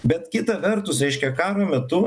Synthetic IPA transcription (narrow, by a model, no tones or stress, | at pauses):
bʲɛt̪kʲɪt̪ɐʋʲɛɾt̪ʊsɾʲɛɪʃʲkʲɛkɑːɾoːmʲɛt̪ʊ